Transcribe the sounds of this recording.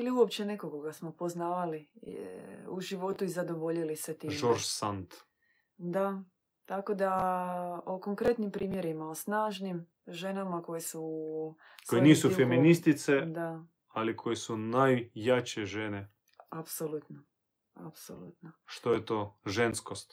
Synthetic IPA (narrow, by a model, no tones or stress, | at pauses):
iliuopt͡ɕenekokoɡasmo̞po̞znaːʋali | uʒiʋo̞t̪uizad̪o̞ʋo̞ʎiliset̪iʒoɾʃsant̪ | d̪a | t̪ako̞d̪a | oko̞ŋkɾe̞t̪nimpɾiːmje̞ɾimaosnaːʒnim | ʒe̞namako̞jesu | kojeniːssufeminist̪it̪sed̪a | alikʰo̞jesunajːat͡ɕeʒene | apsolut̪no | a̰pso̰lˠṵt̪noʃt̪ojet̪o̞ːʒenskost̪